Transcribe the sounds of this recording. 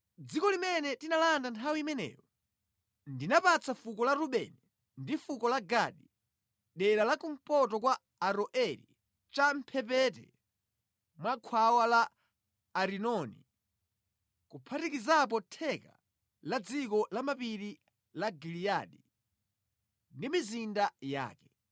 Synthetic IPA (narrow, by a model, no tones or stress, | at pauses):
d͡zikɔlimɛnɛtinalandantʰawiimɛnɛ̰ːjɔ | ndinapat͡safukɔlaɾuɓɛ̰ni | ndifukɔlaɡaɗi | ɗɛlalakum̩pɔtɔkwa | aɾɔʔɛɾḭ | t͡ʃam̩pʰɛpɛt̬ɛ̰ | mwakʰwawalaː | ɾinɔnḭ | kupʰatikizapɔtʰɛka̰ | lad͡zikɔlamapiɾi | laɡiliaɗi | ndimizindaja̰ːkɛ